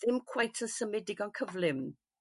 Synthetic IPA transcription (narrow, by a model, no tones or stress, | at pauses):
ðɪmkʰw̥ajtʰəsəmɪdɪɡɔnkʰəvlɪm